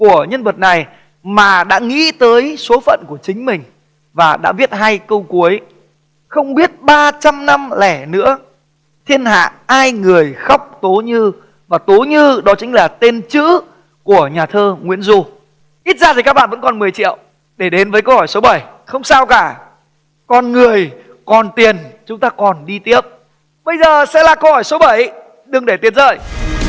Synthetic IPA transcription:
ku˧˩əɲə˧nvə˨˩t̚na˨˩j | maː˨˩ɗa̰ː˧˥ŋḭ˧˥t̪əː˨˦jso˨˦fə̰˧˨nku˧˩ət͡ɕï˨˦ŋ̟mï˨˩ŋ̟ | vaː˨˩ɗa̰ː˧˥ɓi˦˥ət̚ɦaː˧jkə˧wku˨˦əj | xə˧wŋ͡mɓi˦˥ət̚ɓaː˧t͡ɕa˧mna˧mlɛ˧˩nɨ̰˧˥ə | t̪ʰi˧ənɦa̰ː˧˨haː˧jŋɨ˨˩əjxa˦˥wk͡p̚t̪o˨˦ɲɨ˧ | vaː˨˩t̪o˨˦ɲɨ˧ɗɔ˨˦t͡ɕŋ̟laː˨˩t̪e˧nt͡ɕɨ̰˧˥ | ku˧˩əɲaː˨˩t̪ʰəː˧ŋwḭ˧˥ənzu˧ | ʔi˦˥t̚zaː˧t̪ʰi˨˩kaː˦˥k̚ɓa̰ː˧˨və̰˧˥nkɔ˨˩nmɨ˨˩əjt͡ɕḭ˧˨əwʔ | ɗe˧˩ɗe˨˦nvəː˨˦kə˧whɔ˧˩jso˨˦ɓə˧˩j | xə˧wŋ͡msaː˧wkaː˧˩ | kɔ˨˩nŋɨ˨˩əj | kɔ˨˩nt̪i˨˩ənt͡ɕʊ˨˦ŋ͡mt̪aː˧kɔ˨˩nɗi˧t̪i˦˥əp̚ | ɓə˧jzəː˨˩sɛ̰˧˥laː˨˩kə˧whɔ˧˩jso˨˦ɓə˧˩j | ɗɨ˨˩əŋɗe˧˩t̪i˨˩ənzə̰ː˧˨˩j

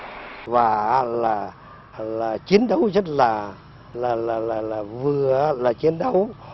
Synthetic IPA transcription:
vaː˨˩˦laː˨˩ | laː˨˩t͡ɕi˨˦ənɗə˨˦wzə˦˥t̚laː˨˩ | laː˨˩laː˨˩laː˨˩laː˨˩vɨ˨˩ə˦laː˨˩t͡ɕi˨˦ənɗə˨˦w

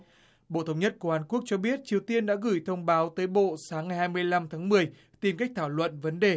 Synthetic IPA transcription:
ɓo̰˧˨t̪ʰə˧wŋ͡mɲə˦˥t̚ko˧˩haː˨˦nku˦˥ək̚t͡ɕɔ˧ɓi˦˥ət̚t͡ɕi˨˩əwt̪i˧ənɗa̰ː˧˥ɣɨ˧˩jt̪ʰə˧wŋ͡mɓaː˨˦wt̪əː˨˦jɓo̰˧˨saː˨˦ŋːa˨˩jhaː˧jmɨ˧əjla˧mt̪ʰaː˨˦ŋmɨ˨˩əj | t̪i˨˩mka˦˥jk̟̚t̪ʰaː˧˩wlwə̰˧˨nvə˨˦nɗe˨˩

